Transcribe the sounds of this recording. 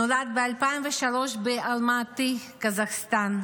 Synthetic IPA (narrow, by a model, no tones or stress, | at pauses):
olad̪̚bealpajnveʃaloʃbeʔalmat̪ikazaxst̪an